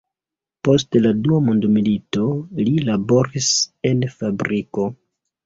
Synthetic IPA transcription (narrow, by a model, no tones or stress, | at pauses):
po̞stladuamondomilito̞lilabo̞ɾise̞nfabɾiko̞